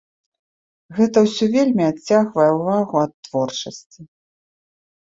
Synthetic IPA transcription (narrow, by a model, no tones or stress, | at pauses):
ɣɛt̪ɐwsʲɔvʲelʲmʲiat͡sʲːaɣvɐjɛwvaɣuɐt̪ːvɔrt͡ʂɐsʲt͡sʲi